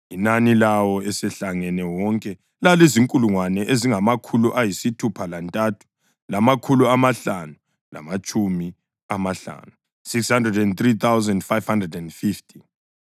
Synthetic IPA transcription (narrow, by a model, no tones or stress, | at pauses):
inanilawɔɛsɛɬaŋɛnɛwɔŋkʼɛ | laleziŋkʼuluŋwanɛʔeziŋamakʰuluʔajisitʰupʰalantʼatʰu̥ | lamakʰuluamaɬanu | la̰mat͡ʃʼumi | amaɬa̰nu | sikshandrɛdɛnt̪rit̪ʰawzandfajv̥handrɛdɛndfiftʰʼi̥